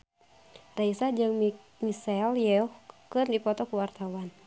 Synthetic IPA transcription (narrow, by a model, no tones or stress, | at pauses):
raisad͡ʒɨŋ | misɛljɛɔhkɨrdipɔt̪ɔkuwart̪awan